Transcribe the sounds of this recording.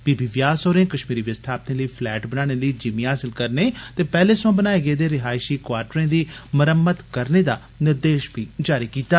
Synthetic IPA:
biːbiːʋjaːsoːɾẽːkəʃmiːɾiːʋəst̪ʰaːp̚t̪ẽːləiːpʰlɛːʈbənaːɽ̃eːləiːd͡ʒimĩɦaːsɪlkəɾneːt̪eːpɛːleːsãːbənaːeːɡeːd̪eːɾɪɦaːɪʃiːkwaːɾʈɾẽːd̪iːməɾəmːət̪kəɾneːd̪aː | nɪɾd̪eːʃbʱiːd͡ʒaːɾiːkiːt̪aː

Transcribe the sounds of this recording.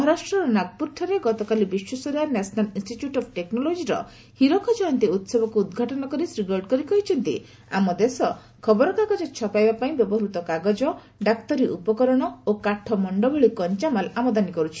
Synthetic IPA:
mɔɦɔɾasʈɾɔɾɔnaɡ̚puɾʈʰːɔɾeɡɔt̪ɔkalibiʃwɔsoɾanɛsʰɔnalinsʈiʈjuʈɔbʰʈeknɔlod͡ʒiɾɔ̰ | hiɾɔkʰɔd͡ʒɔjɔnt̪iut̪sɔbɔkuːd̪ɡʱaʈɔnɔkɔɾisɾiɡɔɾʈkɔɾikɔɦit͡ʃʰɔnt̪ḭ | a̰mɔd̪esɔ | kʰɔbɔɾɔkaɡɔd͡ʒɔt͡ʃʰɔpajbapaĩbjɔbɔɦɾut̪ɔkaɡɔd͡ʒɔ | ɖakt̪ɔɾiʔupɔkɔɾɔɽ̃ɔokaʈʰɔmɔɳɖɔbɔɭikɔnt͡ʃamalamɔd̪anikɔɾut͡ʃʰi̥

